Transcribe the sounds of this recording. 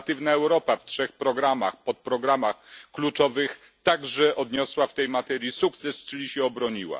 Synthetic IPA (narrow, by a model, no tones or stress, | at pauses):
t̪ɘvnaɛwɾɔpaftʂɛxpɾɔɡɾama̰xpɔt̪̚pɾɔɡɾamaxklut͡ʂɔvɘx | t̪aɡʐɛʔɔd̪ɲɔswaft̪ɛjmat̪ɛɾʲjisuk̚t̪sɛst͡ʂɘlʲiɕɛɔbɾɔɲiwa̰